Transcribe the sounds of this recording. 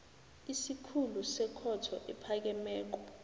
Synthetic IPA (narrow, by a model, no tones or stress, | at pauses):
isikʰulusɛkʰɔtʰɔʔɛpʰak̬ɛmɛːk̬ɔ